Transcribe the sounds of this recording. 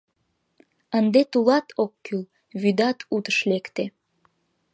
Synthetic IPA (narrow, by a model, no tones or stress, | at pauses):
ənd̪et̪ulɑt̪ʰokːyl | βyd̪ɑt̪ut̪ə̥ʃlekt̪e